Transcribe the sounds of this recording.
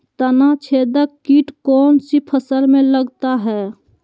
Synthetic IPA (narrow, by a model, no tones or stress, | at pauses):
t̪ənat͡ʃʰeːd̪əkiːʈkɔːnsipʰəsəlmẽləɡt̪aɦɛː